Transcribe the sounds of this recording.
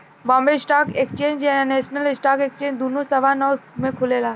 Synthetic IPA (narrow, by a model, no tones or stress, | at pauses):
bɔ̃mbesʈaːkekst͡ʃẽːɲd͡ʒɛnesnəlɪsʈaːkekst͡ʃẽɲd͡ʒd̪unosɐʋanəʋmẽkʰʊlelaː